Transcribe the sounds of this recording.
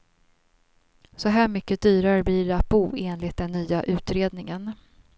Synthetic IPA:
sɔɦæːɾmʏkːəd̪̥yːɾaɾəblɪɖɛat̪̚buːeːnlɪt̪̚d̪ɛnːyːaʔʉ̟ːt̪ɾeːd̪nɪŋən

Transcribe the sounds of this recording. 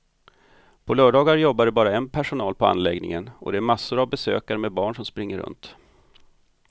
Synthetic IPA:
pʰɔlœːɖɑːɡaɾjɔbːaɖɛbɑːɾaɛnpʰæʂʊnɑːlpʰɔa̰nlɛɡnɪ̰ŋənɔ̰d̪ɛæɾmasːʊɾavbɛsø̰ːkaɾəmeːd̪̚bɑːɳʂɔmspɾɪŋːəɾɵ̰nt̪

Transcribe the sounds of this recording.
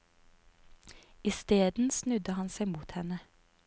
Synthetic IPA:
ist̪eːd̪n̩snʉd̪əhɑnsæɪmuːt̪hɛnə

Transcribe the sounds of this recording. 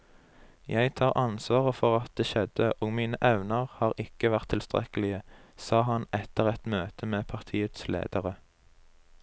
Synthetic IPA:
jæɪt̪ʰɑːʁʔɑnsʋɑːʁəfɔʁɑt̪̚d̪eːʃɛd̪əʔoːɡmiːnəʔɛʋnəʁhɑːʁʔɪkəʋæʁt̪ʰːɪlst̪ʁɛ̰kəlɪəsɑːɦɑnɛt̪əʁɛt̪møːt̪əmeːpʰɑʁt̪ʰiːət̪slḛːd̪̥əʁə

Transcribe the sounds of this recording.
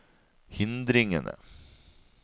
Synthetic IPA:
hɪnd̪ɾɪŋə̰nə̰

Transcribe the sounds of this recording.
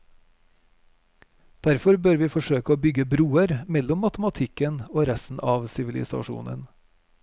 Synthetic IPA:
d̪̥æɾfɔɾbøːɾʋiːfɔʃøːkəoːbʏɡəbɾuːəɾmɛlɔmːɑt̪əmɑt̪ʰɪkənoːɾɛst̪n̩ʔɑːʋsɪʋɪlɪ̰sɑ̰ʃṵːnə̰n

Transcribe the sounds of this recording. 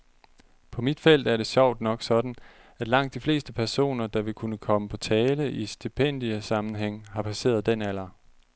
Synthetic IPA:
pʰɒ̽mid̥fel̰d̥æɐɾ̥e̝ɕɑ̈ʊ̰d̥nɒ̽ɡ̥sɒ̽d̥n̩ | æd̥lɑ̈ŋ̰d̥ifle̝̰ːsd̥əpʰæɐso̝̰ːnɐd̥ɑ̈ʋe̝kʰunəkʰɒ̽məpʰɒ̽t͡sʰɛːləʔisd̥ipʰen̰d̥iəsɑ̈mn̩ɦeŋ̰hɑ̈pʰæse̝̰ːɐð̞ˠd̥en̰æl̰ɐ

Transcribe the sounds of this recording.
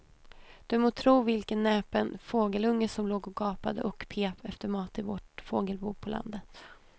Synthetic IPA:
d̪̥ɵmoːt̪ʰɾuːvɪlkənːɛːpənfoːɡəlɵŋːəsɔmloːɡɔɡɑːpad̪ə̰ʔɔkpʰeːpɛft̪əɾmɑːt̪ɪvoːʈfoːɡəlbuːɾpʰɔla̰nd̪ət̪

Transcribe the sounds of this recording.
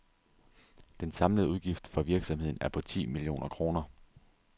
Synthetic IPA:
d̥ensɑ̈mləð̩ˠuð̞ˠɡ̥ifd̥fɒ̽ʋiɐɡ̥sɒ̽mhe̝ð̰ˠn̩æɐpʰɒ̽t͡sʰḭːmilio̝̰ːnʔɐkʰʁo̝ːnɐ

